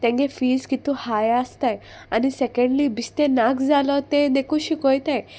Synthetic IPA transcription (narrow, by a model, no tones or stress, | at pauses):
t̪ɛ̃ŋɡefiːskit̪uhajast̪aj | anisɛkẽɳɖlibist̪ẽnakʰd͡zalɔt̪ẽd̪ekũɕikojt̪aj